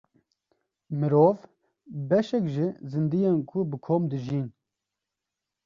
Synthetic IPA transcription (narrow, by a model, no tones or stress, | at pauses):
mɨɾoːv | bɛʃɛkʒizɨnd̪ijenkʰʊbɨkʰoːmd̪ɨʒiːn